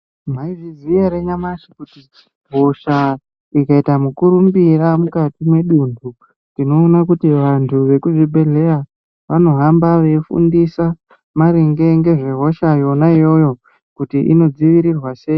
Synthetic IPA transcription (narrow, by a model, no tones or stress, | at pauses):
m̤aivizijeɾeɲamaʃikutit͡ʃi̥ɦo̞ʃa | ikaitamukuɾumbiramukatimwe̞ɗundu | ndino̞ːnakutiʋantʰuʋe̞kuʐibʱe̞ɮe̞ja | ʋano̞ɦambaʋe̞ifṵndisa | maɾiŋɡe̞ŋɡe̞ʐe̞ɦo̞ʃajo̞naijo̞jo̞ | kutiʔḭno̞d͡ziʋiɾirwase̞ːji